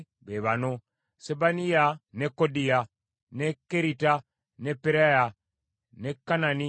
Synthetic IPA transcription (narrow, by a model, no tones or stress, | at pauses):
βeβano | sebanijanekːodija | nekːeɾita | nepeɾaja | nekːanani